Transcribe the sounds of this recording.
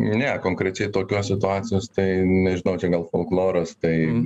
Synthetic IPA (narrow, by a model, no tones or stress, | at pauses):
nʲɛkoːŋkɾʲɛt͡ʃʲɛɪt̪oːkʲoːsʲsʲɪt̪ʊɑːt͡sʲɪjoːst̪ɐɪnʲɛʒʲɪnɐʊt͡ʃʲɛɡɐlˠfolˠklˠoːɾɐst̪ɐɪ